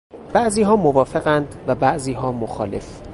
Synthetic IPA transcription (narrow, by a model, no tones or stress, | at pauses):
b̥æʔziːɦɒːmovɒːfe̞ɣænd̪væbæʔziːɦɒːmoxɒ̰ːle̞̰f